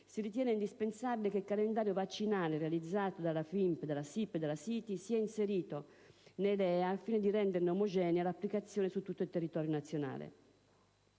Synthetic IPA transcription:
sirit̪jɛːneind̪ispensabilekelkalend̪aːɾjovat͡ʃːinaːlerealid̪zːaːt̪od̪alafimpd̪alasipːed̪alasiːt̪isiːainseɾiːt̪o | nelɛaːfːiːned̪iɾɛnd̪eɾneomod͡ʒɛːnjalapːlikat̪sːjɔːnesut̪ːut̪ːoilt̪erːit̪ɔːɾjonat̪sːjona̰ːlḛ

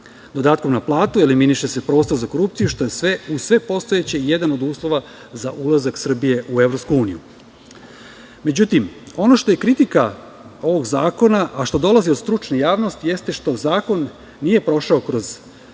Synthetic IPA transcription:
d̪o̞d̪aːt̪ko̞mnaplˠaːt̪ueliminiʃese̞pɾo̞ːst̪ozako̞ɾup̪̚sijuʃt̪o̞jesʋeusʋe̞po̞st̪ojet͡ɕeijed̪ano̞d̪uːslˠo̞ʋa | zaʔulazaksr̩bije̞ʔue̞vɾo̞pskuuːniju | me̞d͡ʑut̪imo̞no̞ʃt̪oje̞kɾit̪ika | o̞ʋo̞ɡzaːko̞naʔaʃt̪o̞d̪o̞lˠaziod̪st̪ɾut͡ʃnijaːʋno̞st̪ijest̪eʃt̪o̞zaːko̞nː | ije̞pɾo̞ʃaokɾo̞z̥

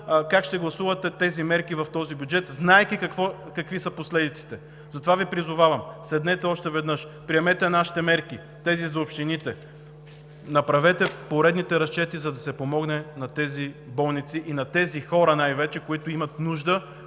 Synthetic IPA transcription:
kakʃt̪ɛɡlˠɐsuvɐt̪ɛt̪ɛzimɛɾkivɐft̪ɔzibʲjud͡ʒɛt̪znaɛkʲikɐkvɔ | kɐkvisɐposlɛd̪it̪si̥t̪ɛ | zɐt̪ovavipɾizʊvavɐmsɛd̪nɛt̪ɛɔʃt̪ɛvɛd̪nɤʃ | pɾiɛmɛt̪ɛnaʃi̥t̪ɛmɛɾki | t̪ɛzizɐopʃt̪init̪ɛ | nɐpɾɐvɛt̪ɛpoɾɛd̪nit̪ɛɾɐst͡ʃɛt̪izɐd̪ɐsɛpomɔɡnɛnɐt̪ɛzibɔlˠnit̪siʔinɐt̪ɛzixɔɾɐnajvɛt͡ʃɛkoit̪ʊimɐt̪nuʒd̪ə

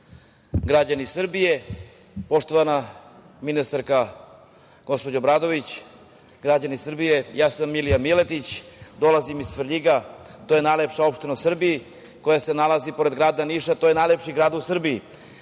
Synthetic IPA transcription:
ɡɾad͡ʑanisr̩bije̞ | po̞ʂt̪o̞ʋana | minist̪aɾka | ɡ̥o̞spo̞d͡ʑabɾad̪o̞ʋit͡ɕ | ɡɾad͡ʑanisr̩bije̞jaːsamːilijamile̞t̪it͡ɕd̪o̞lazimisfrʎiɡa | t̪oje̞najlepʃao̞pʃt̪inausrbiji | ko̞jase̞nalazipo̞ɾe̞d̪ɡɾaːd̪aniʃat̪o̞je̞najlepʃiɡɾaːd̪usr̩biji

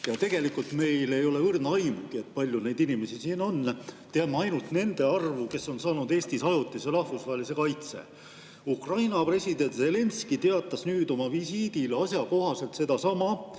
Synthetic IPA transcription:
jɑt̪e̞ɡ̥e̞likult̪me̞jle̞jo̞le̞vɤrd̪nɑjmukie̞t̪̚pɑlʲjune̞jd̪inime̞sisiːno̞nt̪eɑmeɑjnult̪ne̞nd̪̥e̞ɑrvuke̞sːo̞nsɑːnud̪e̞ːsʲt̪isɑjut̪ːˑise̞rɑhfusvɑɦelis̬e̞kɑjt̪se̞̰ | ukrɑjnɑpre̞sʲid̪e̞nt̪se̞le̞nskit̪e̞ɑt̪ːˑɑsnyːd̪o̞mɑvisiːd̪̥ilɑsjɑko̞ɦɑse̞lt̪se̞d̪̥ɑsɑmɑ

